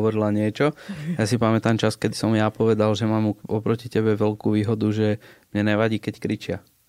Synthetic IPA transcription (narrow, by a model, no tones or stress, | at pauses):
ʋɔɾilaɲɪɛt͡ʃɔjasipamɛt̪amt͡ʃaskɛd̪isɔmjapɔʋɛd̪alʒɛmaːmuɔpɾɔcicɛbɛʋɛlkuːʋiːɦɔd̪uʒɛmɲɛnɛʋaɟiːkɛckɾit͡ʃɪa